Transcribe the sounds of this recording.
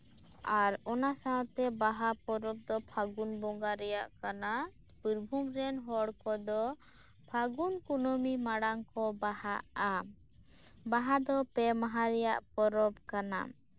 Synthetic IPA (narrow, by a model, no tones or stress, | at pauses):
aɾɔnasaat̪ɛbaɦapɔɾɔb̚d̪ɔpʰaɡunbɔŋɡaɾɛjaʔkana | puɾbʱumɾɛnɦɔɽkɔd̪ɔ | pʰaɡunkunomimaɽaŋkɔbahaa | baɦad̪ɔpɛmaɦaɾɛjaʔpɔɾɔpkana̰